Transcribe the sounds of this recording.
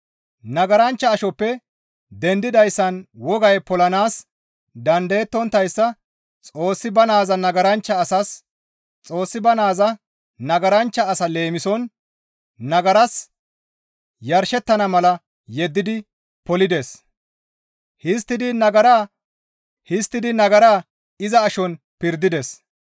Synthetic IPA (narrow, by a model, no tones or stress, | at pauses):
nɐɡɐɾɐnt͡ʃːɐːʃɔpːɛ | d̪ɛnd̪ɪd̪ɐjsːɐnwɔɡɐjpɔlɐnaːs | d̪ɐnd̪ɐjɛt̪ːɔnt̪ːɐjsːɐ | t͡sʼo̞ːsːɪbɐnaːzɐnɐɡɐɾɐnt͡ʃːɐːsɐs | t͡sʼo̞ːsːɪbɐnaːzɐ | nɐɡɐɾɐnt͡ʃːɐːsɐle̞ːmɪsɔn | nɐɡɐɾɐs | jɐɾʃɛt̪ːɐnɐmɐlɐ | jɛd̪ːɪd̪ɪ | pɔlɪd̪es | hɪs̬t̪ːɪd̪ɪnɐɡɐɾaː | hɪst̪ːɪd̪ɪnɐɡɐɾaː | ɪzɐːʃɔn | pɪɾd̪ːɪd̪ɛs